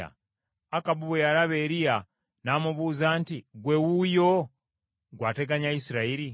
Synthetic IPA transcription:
a̰ | akabuβejaɾaβeɾija | naːmuβuːzaːntiɡwewujo | ɡwaːte̞ɡaɲaisiɾaiɾi

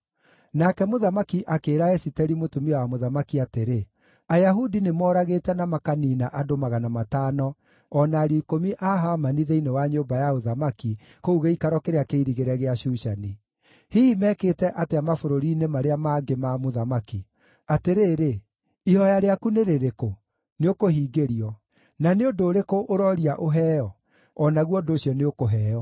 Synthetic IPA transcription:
nakɛmoðamakiʔakeːɾaɛsitɛɾimotumiɔwamoðamakiateɾe | ajaɦudinemɔːɾaɣetɛnamakaniːnaʔadomaɣanamataːnɔ | ɔnaɾiːkomiʔaɦamaniðeinewaɲoːmbajaoðamaki | kouɣeikaɾɔkeɾeakeiɾiɣeɾɛɣeaʃuːʃani | hiimɛkeːtɛʔateamafoɾoɾiːnemaɾeamaɡemamoðamaki | ateɾeːɾe | ihɔjaɾeakuneɾeɾeko | neokohiːɡeɾiɔ | naneondoːɾekoʔoɾɔɾiaʔoɦɛːjɔ | ɔnaɣwɔdoːɕijɔneokoɦɛːjɔ

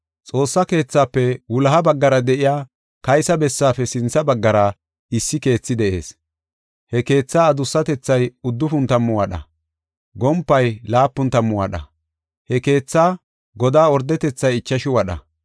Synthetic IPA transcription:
t͡sʼo̞ːsːɐke̞ːt͡sːaːpːɛwʊlɐɦɐbɐɡːɐɾɐd̪ɛʔɪjaː | kɐjsɐbɛsːaːfɛsɪnt͡sːɐbɐɡːɐɾɐ | ɪsːɪke̞ːt͡sːɪd̪ɛʔe̞̰ːs | hɛke̞ːt͡sːaːd̪ʊsːɐt̪ɛt͡sːɐjʊd̪ːʊfʊnt̪ɐmːʊwɐɗɐ̰ | ɡɔmpːɐjlaːpːʊnt̪ɐmːʊwɐɗɐ̰ | hɛke̞ːt͡sːaː | ɡɔd̪aːɔɾd̪ɛt̪ɛt͡sːɐjɪt͡ʃːɐʃɪwɐɗɐ̰

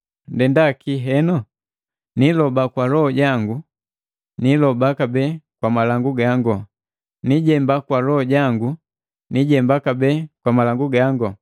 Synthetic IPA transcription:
ndɛndakiɦɛnɔ | nilɔbakwalɔhɔɟaŋɡu | nilɔbakabɛːkwamalaŋɡuɡaŋɡɔ | niɟɛmbakwalɔhɔɟaŋɡu | niɟɛmbakabɛːkwamalaŋɡuɡaŋɡɔ

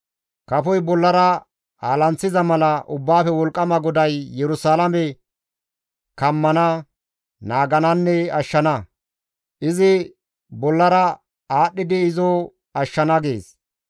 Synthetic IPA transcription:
kɐfɔjbɔlːɐɾɐ | aːlɐnt͡sːɪzɐmɐlɐʔʊbːaːfɛwɔlkʼːɐmɐɡɔd̪ɐjːɛɾʊsaːlɐmɛ | kɐmːɐnɐ | naːɡɐnɐnːɛɐʃːɐnɐ | ʔɪzɪ | bɔlːɐɾɐ | aːɗːɪd̪ɪːzɔ | ɐʃːɐnɐɡḛːs

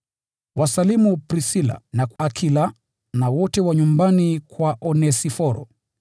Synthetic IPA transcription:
wasalimupɾisila̰nakːkʰila | nawɔtɛwaɲumbanikwaʔɔnɛsifɔɾɔ̰

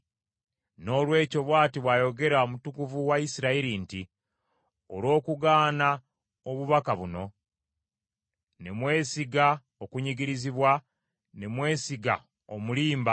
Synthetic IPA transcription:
no̞ːlwe̞ːco̞βwaːtiβwajo̞ɡe̞ɾaomutukuvuwaisiɾaiɾinti | olo̞ːkuɡaːna | oβuβakaβuno̞ | ne̞mwe̞ːsiɡa | okuɲiɡiɾiziβwa | nemwe̞ːsiɡa̰ | omuliːmba

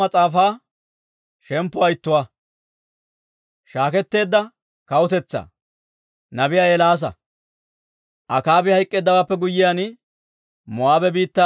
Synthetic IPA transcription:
ɐt͡sʼaːfaː | ʃɛmpːɔɐjɪt̪ːʊwa | ʃaːkɛt̪ːe̞ːd̪ːɐ | kɐwʊt̪ɛt͡sːa̰ | nɐbɪjaːɛlaːs̬ɐ̰ | ʔɐkaːbɪhɐjkʼːeːd̪ːɐwaːpːɛɡʊjːɪjaːn | mɔaːbɛbiːt̪ːa

